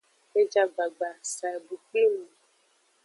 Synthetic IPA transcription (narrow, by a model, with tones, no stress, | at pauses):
e˦d͡ʒa˨ɡ͡ba˨ɡ͡ba˨sa˨bu˨ki˦mu˨